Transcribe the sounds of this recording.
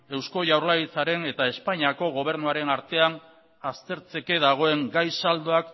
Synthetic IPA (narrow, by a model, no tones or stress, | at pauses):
e̞wsko̞ʝawɾlaɣit͡saɾe̞ne̞t̪ae̞spaɲiako̞ɣ̞o̞β̞e̞ɾnuaɾe̞naɾt̪e̞an | ast̪e̞ɾt͡se̞ke̞ðaɣ̞o̞e̞ŋɡajsald̪o̞ak